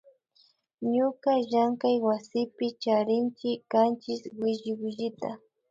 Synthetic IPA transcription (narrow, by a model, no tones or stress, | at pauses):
ɲʊkaʒaŋkajwasɪpɪt͡ʃaɾɪnt͡ʃɪkːant͡ʃɪswɪʒɪwɪʒɪt̪a